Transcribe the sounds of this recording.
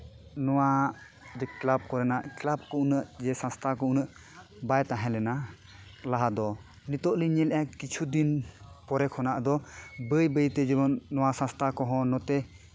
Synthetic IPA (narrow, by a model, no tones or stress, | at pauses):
nɔwa | d͡ʒɛklab̚kɔɾɛnaʔklab̚kɔʔunəʔd͡ʒɛsãst̪ʰakɔunəʔ | bajt̪ãɦɛ̃lɛna | laɦad̪ɔ | nit̪ɔʔliɲɛlɛʔakit͡ʃʰud̪inpɔɾɛkʰɔnaʔd̪ɔbəjbəjt̪ɛd͡ʒɛbɔnːɔwasãst̪ʰakɔɦɔ̃nɔt̪ɛ